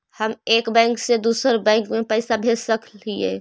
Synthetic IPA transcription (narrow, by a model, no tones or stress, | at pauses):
həmekbɛ̃ɪŋksed̪uːsəɾbɛ̃ŋkmepəɪsabʱesəkliḛ